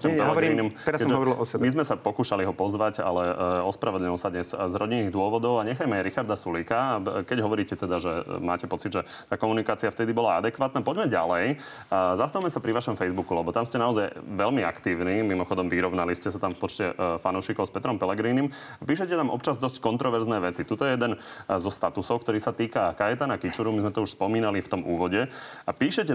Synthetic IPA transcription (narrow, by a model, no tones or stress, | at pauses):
ɔmpɛlɦɛɡiɾiːnimɛɾaskɛmʒɛɔʋɔɾilɔsɛmizmɛsapɔkuːʃaliɦɔpɔzʋaɟa̰lɛɔspɾaʋɛd̪lɲilɔsad̪ɲɛszɾɔɟinːiːɣd̪ʊɔʋɔd̪ɔʊaɲɛxajmɛaɾixaɾd̪asulikakɛɟɦɔʋɔɾiːcɛt̪ɛd̪aʒɛmaːcɛpɔt͡sid̪ʒɛ | t̪aːkɔmunikaːt͡siaft̪ɛd̪ibɔlaad̪ɛkʋaːt̪napɔɟmɛɟa̰lɛj | zast̪awmɛsapɾiʋaʃɔmfɛjzbukulɛbɔt̪amscɛnaɔzajʋɛlmia̰kt̪iːʊnimimɔxɔd̪ɔmʋiɾɔʊnaliscɛsat̪amfpɔt͡ʃcɛfanuʊʃiːkɔʊspɛt̪ɾɔmpɛlɛɡɾiːnim | apiːʃɛcɛt̪amʔɔ̰pt͡ʃazd̪ɔsckɔnt̪ɾɔʋɛɾznɛːʋɛt͡sit̪ut̪ɔjɛjɛd̪ɛnzɔst̪at̪usɔʊkt̪ɔɾiːsat̪iːkakajɛt̪anakit͡ʃuɾumizmɛt̪ɔuʃspɔmiːnalift̪ɔmʔuːʋɔɟɛapiːʃɛcɛ